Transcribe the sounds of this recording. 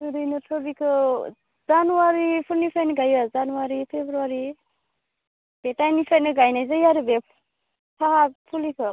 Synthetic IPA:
nɯɾɯjnɯpʰɯbikʰɯ | zanuwaɾipʰuɾnipʰajnɯɡajazanuwaɾipʰebɾuaɾi | b̥etajnipʰajnɯɡajnajzajaɾɯbe | pʰaɦapʰulikʰɯ

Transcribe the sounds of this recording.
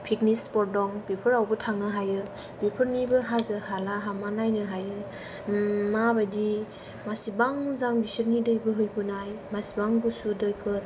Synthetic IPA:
pʰik̚nispɔɾ̚dɔŋbipʰɯɾawbɯtʰaŋnɯɦajɯ | b̥ipʰɯɾnibɯɦazɯhalaɦamanajnɯɦajɯ | mabajdi | masibaŋzaŋbisiɾnidɯjbɯɦɯjbɯnajmasibaŋɡusudɯjpʰɯɾ

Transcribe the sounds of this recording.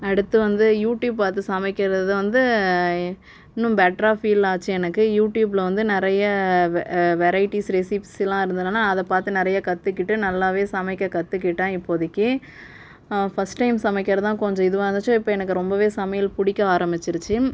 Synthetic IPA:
ɐɽɯt̪ːɯʋɐnd̪ɯjuːʈjuːbpaːɾt̪ɯsɐmɛɪkːɪɾɐðɯʋɐnd̪ɯ | ɪnːɯ̃mbɛʈɾaːfiːlaːt͡ʃːɯɛnɐkːɯjuːʈjuːbɪlɐʋɐnd̪ɯnɪɾɐjɐ | ʋɛɾɐɪʈːisɾɛsiːpssɪlːãːɪɾɯnd̪ɯnɯnːaːɐðɐpaːɾt̪ɯnɪɾɐjɐkɐt̪ːɯkːɪʈːɯnɐlːaːʋeːsɐmɛɪkːɐkɐt̪ːɯk̬ːɪʈːãːɪpːoːðɪkːɯ | fɐsʈːɐɪmsɐmɐɪkːɪɾɐt̪ãːkɔɲd͡ʒɔ̃ɪðɯʋõːɾɐnd̪ɐt͡ʃːõːɪpːoːɛnɐk̬ːɯɾɔmbɐʋeːsɐmɐjɐlpʊɽɪkːɐaːɾɐmbɪt͡ʃːɪɾɯt͡ʃːɯ

